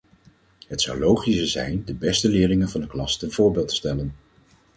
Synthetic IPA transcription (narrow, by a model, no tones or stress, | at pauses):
ɦətsʌwlowχisəzɛ̰jndəbɛstəlɪːrɪŋənvɑndəklɑstənv̥ʊːɹbɪːlˠtə̥stɛlən